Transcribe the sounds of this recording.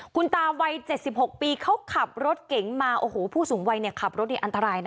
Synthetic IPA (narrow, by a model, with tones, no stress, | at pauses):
kʰu˧nt̪aː˧wa˧jt͡ɕe˨˩t̪̚si˨˩p̚ho˨˩k̚piː˧kʰa˦˥wkʰa˨˩p̚ɾo˦˥t̪̚ke˩˦ŋmaː˧ʔoː˧˩hoː˨˩˦pʰuː˥˩suː˩˦ŋwa˧jni˧˩ɐkʰa˨˩p̚ɾo˦˥na˧jʔa˧nt̪a˧ɾaː˧jna˦˥